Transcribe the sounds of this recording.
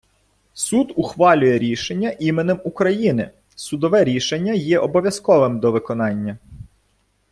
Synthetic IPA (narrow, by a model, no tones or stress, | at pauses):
sud̪ʊxʋɑlʲʊjɛɾʲiʃenʲːɐʔimenɪmukɾɐjinɪ̰ | sʊd̪ɔʋɛɾʲiʃenʲːɐjɛʔɔbɔʋʲjɐskɔʋɪmd̪ɔʋɪkɔnɑnʲːɐ